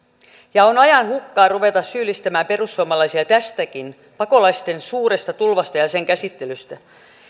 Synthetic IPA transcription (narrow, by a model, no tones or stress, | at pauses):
jɑonɑjɑnhukːɑːruʋe̞t̪ɑssyːlːist̪æmæːmpe̞rusːuɑmɑlɑjsiɑt̪æst̪ækin | pɑko̞lɑjst̪e̞nsuːɾest̪ɑt̪ulʋɑst̪ɑjɑse̞ŋkæsit̪ːe̞lyst̪æ